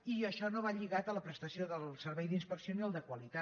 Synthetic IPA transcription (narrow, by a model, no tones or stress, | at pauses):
iəʃɔnoβaʎiɣat̪ələpɾəst̪əsioðəlˠsəɾβɛjd̪inspəksioniəlˠd̪əkwəlit̪a